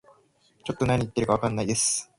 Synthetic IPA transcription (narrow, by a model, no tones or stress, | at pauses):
t͡ɕo̞t̪ːo̞naɲ̟it̪ːe̞ɾɯ̟kaβakanːaid̪esɨ̥